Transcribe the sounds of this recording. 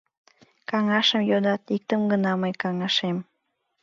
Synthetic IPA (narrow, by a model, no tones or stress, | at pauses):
kɑŋɑʃəmjod̪ɑt̪ik̚t̪əmɡənɑməjkɑŋɑʃem